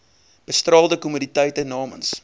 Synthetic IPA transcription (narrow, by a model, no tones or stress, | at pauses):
b̥əstrɑːlˠdəkumuditəjtənɑːməns